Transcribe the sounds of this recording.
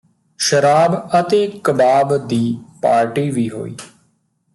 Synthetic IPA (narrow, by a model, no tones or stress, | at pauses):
ʃəɾaːbət̪eːkəbaːbd̪iːpaːɾʈiːʋiːɦo̰ːḭː